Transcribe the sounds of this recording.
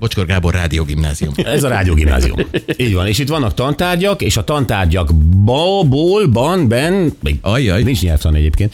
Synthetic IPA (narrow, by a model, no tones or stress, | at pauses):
bo̞t͡ʃkorɡaːborːaːd̪ijoːɡimnaːziumɛzɒɾaːd̪ijoːɡimna̰ːzḭṵmiːɟʋɒneːʃit̪ʋɒnːɒkt̪ɒnt̪aːrɟɒkeːʃɒt̪ɒnt̪aːrɟɒɡbɒboːlbɒnbɛnmɛ̰ɡɒjɒjnint͡ʃɲɛlt̪ʋɒnɛ̰ɟeːpkeːnt̪